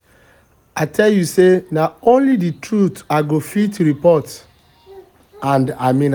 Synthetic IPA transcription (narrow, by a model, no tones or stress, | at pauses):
atʰɛljusenaõnliditɹut̪aɪɡofitɹipɔt | ãndamĩn